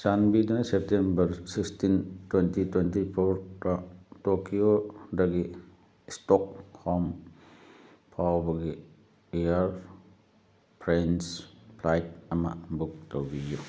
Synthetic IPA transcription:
sanbidanɐsep̚tembɐɾsikstintwentitwentipʰoɾtatokiodɐɡi | stɔk̚hɔm | pʰawbɐɡi | ejaɾ | pʰɾenspʰlajt̚ɐmɐ̰buk̚towbiju

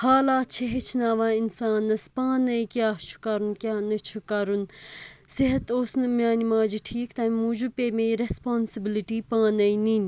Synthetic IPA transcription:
haːlaːt̪t͡ʃʰeɦet͡ʃʰnaːʋãːinsaːnːɐspãːnɐikjaːt͡ʃʰu̥kaːɾunkʲjaːnɐt͡ʃʰukaːɾunsiɦɐt̪oːsnɨmʲjaːnimãːd͡ʒiʈʰiːkt̪aːmmuːd͡ʒupeːmẽiɾespaːnsibiliʈiːpãːnɐininʲ

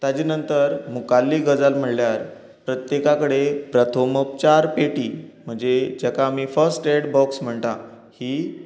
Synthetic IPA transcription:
t̪ad͡ʑiːnənt̪əɾmukalːiːɡəd͡zalm̤əɽljaɾ | pɾət̪jekakəɽepɾət̪ʰoməp̚t͡ɕaɾpeʈiːm̤əɳd͡zed͡ʑakaːmifəɾsʈeɽbɔksm̤əɳt̪a | hiː

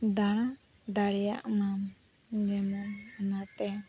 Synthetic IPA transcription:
d̪aɽ̃a | d̪aɽɛja̰ʔmam | ɲɛmɔnɔnat̪ɛ

